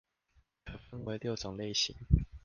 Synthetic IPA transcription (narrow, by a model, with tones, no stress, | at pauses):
kʰə˨˩fə˥nwe˧˥ɪljo˥˨ʊʈ͡ʂɔ˨˩ŋle˥˨ɪɕḭ˨˦ŋ